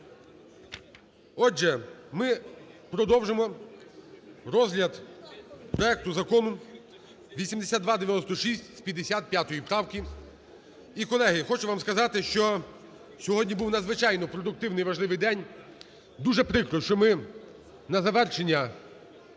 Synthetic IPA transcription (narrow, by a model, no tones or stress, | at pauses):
ɔd͡ʒɛmɪpɾɔd̪ɔwʒemɔ | ɾɔzlʲɐd̪ | pɾɔɛk̚t̪ʊzɐkɔnʊ | ʋʲisʲimd̪esʲat̪d̪d̪ʋad̪eʋʲjɐnɔst̪ɔʃisʲtʲspʲjɐd̪ːesʲat̪̚pʲjat̪ɔjipɾɑwkɪ | ikɔlˠɛɦɪxɔt͡ʃʊʋamskɐzɑt̪ɪʃt͡ʃɔ | sʲɔɦɔdʲnʲibuwnɐd̪zʋɪt͡ʃɑjnɔpɾɔd̪ʊk̚t̪ɪwnɪjʋɐʒlˠɪʋɪjd̪ɛnʲ | d̪uʒɛpɾɪkɾɔʃɔmɪ | nɐzɐʋɛrʃenʲːɐ